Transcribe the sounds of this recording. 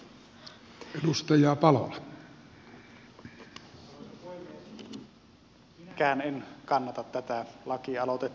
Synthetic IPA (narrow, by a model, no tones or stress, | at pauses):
edust̪ɑjˑɑːpɑlo̰lɑ | kæːnenkɑnːɑt̪ɑt̪ːæt̪ælɑkiɑlot̪e